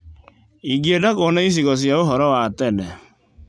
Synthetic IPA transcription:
iɡiedakonais̬iɣɔs̬jaoɦɔɾɔwatɛnɛ

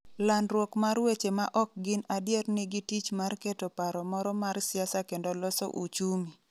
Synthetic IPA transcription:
lanɾwɔkmaɾwet͡ʃemaʔɔk̚ɡɪnadjernɪɡɪtit͡ʃmarketopaɾɔmɔɾɔmaɾsɪjasakendolɔsɔ̰ʔut͡ʃumi

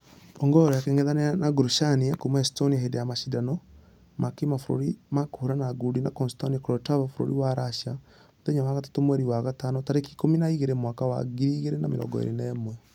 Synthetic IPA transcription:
ɔŋɡɔɾɔjakeŋeðaneanaɡuɾuʃaniakomɛɛstoniahedejamaʃidanɔ | makimafoɾo̰ɾimakohoɾanaɡudinakɔnstaniakɾɔtavafoɾo̰ɾiwaɾaʃa | oðeɲamaɣatḁtomwɛɾiwaɣatanɔtaɾeki̥kominaiɣeɾemwakawa̰ɡiɾiːɣeɾenameɾɔ̰ŋɡɔ̰ḛɾḛnɛmwɛ

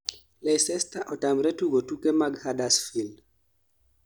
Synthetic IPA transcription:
lɛsɛstaʔɔtamɾɛtuɡotukɛmaɡhadasfild

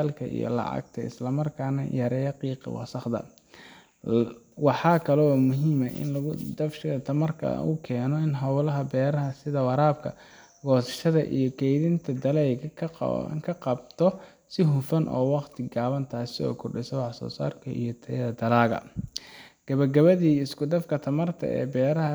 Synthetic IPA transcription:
alkʰɐʔḭjɔ̰lɑ̰ʕɑ̰ɡ̚t̪ʰɐɪ̰slɐmɐrkʰaːnɐjɐɾɛːjɐqiːqɑ̰wɑ̰sɑχd̪ɐ̰ | wɑħɑːkʰɐlɛmʊɦiːmɐʔɪ̰nlɐɣʊd̪ɐfʃɪɣɐt̪ʰɐmɐrkʰɐ̰ʊkʰɛːnɔɪnɦɐwlɐɦɐbɛːɾɐɦɐsɪðɐwɑɾaːb̚kʰɐ̰ | ɡɔːsɐ̥ʃɐðɐ̰ʔḭjɞkʰɛjðɪnt̪ʰɐd̪ɐlɛjɡɐkʰkʰɐqɑbt̪ʰɔ | sɪɦʊfɐnʔɔ̰ːwɑqt̪ʰɪɡaːβɐnt̪ʰaːsɪɔ̰ːkʰʊrɖɪsɐwɑħsɔ̰ːsa̰ːrkʰɐʔḭjɞt̪ʰɐjɐðɐd̪ɐlaːɣɐ̰ | ɡ̥ɐβɐɡɐβɐðiːɪskʊd̪ɐfkʰɐt̪ʰɐmɐrt̪ʰɐ̰ɛ̰ːbɛːɾɐɦɐ

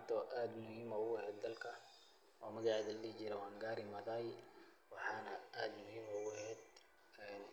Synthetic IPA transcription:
t̪ʰɔʔaːd̪mʊhimɔːʊhɛːd̪̚ːɐlkʰɐ | ʔɔːmɐɣaʕðɐllit͡ʃɪɾɛwɑːŋɡaːɾɪmɐðaːj | wɑħɑːnɐʔaːd̪mʊhɪmɔɡhɛːd̪ | ɛːn

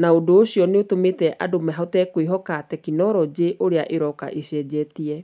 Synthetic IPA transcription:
naodoːɕiɔneotometɛʔʔadomɛɦɔtɛkoiɦɔkatɛkinɔɾɔd͡ʑeʔoɾeaʔeɾɔka̰ʔeɕɛːd͡ʑɛtiɛ

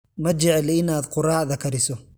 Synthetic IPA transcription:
mɐd͡ʒɛʕɛlɪnaːd̪qʊrɑːʕðɐkʰɐɾɪsɔ

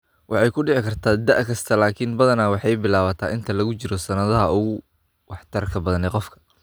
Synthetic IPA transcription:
wʔɑħɑjkʰʊɖɪʕɪkʰɐrt̪ʰaːd̪ɐʔkʰɐst̪ʰɐlaːkʰɪnbɐðɐnawɑħɑjbɪlaːβɐt̪ʰa̰ːʔɪnt̪ʰɐlɐɣʊt͡ʃɪɾɔsɐnɐðɐɦɐʊɣʊ | wɑħt̪ʰɐrkʰɐbɐðɐnɛqɔfkʰɐ̥

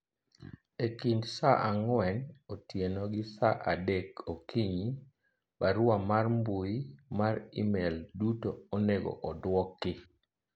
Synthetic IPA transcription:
ekindsaʔaŋwɛnotjenɔɡɪsaʔadɛkokʰiɲi | baɾʊamarmbuimaɾḭmeldutooneɡɔ̰ʔɔdwɔkːɪ

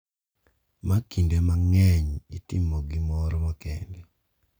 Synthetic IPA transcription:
makindemaŋɛɲitɪmɔɡɪmɔɾɔmɔkɛ̰ndi

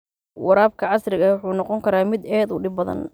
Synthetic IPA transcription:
wɑɾaːb̚kʰɐʕɑsrɪɣɐwʊħuːnɔqɔŋkʰɐɾaːmɪd̪ɛːd̪ʊɖɪbbɐðɐ̰n

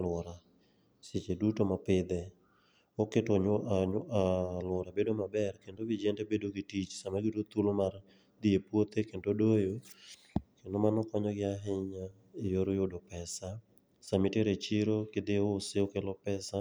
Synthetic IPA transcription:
lwɔɾa | sɪt͡ʃedutomapɪd̪ɛ | oketɔɲoaɲalɔɾabedomabɛrkendobɪd͡ʒɛntebedoɡɪtit͡ʃsamaɡɪtot̪ulomar | d̪ɪepwot̪ekendodojo | kendomanɔkɔɲɔɡɪaɦɪɲa | ejoɾojʊdɔpɛsa | samɪteɾet͡ʃiɾokɪd̪ɪoseokelɔpɛsa

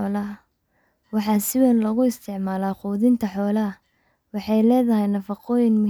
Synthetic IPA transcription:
ɔːlɐɐ | wɑħɑːsɪwɛnlɐɣʊɪst̪ʰɪʕmaːlaːquːðɪnt̪ʰɐħɔːlɐɐ | wɑħɑjlɛːðɐɦɛjnɐfɑqɔːjɪnmʊ

